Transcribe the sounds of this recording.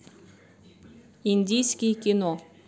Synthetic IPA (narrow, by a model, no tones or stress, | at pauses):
inʲd̪ʲijsʲkʲijkʲino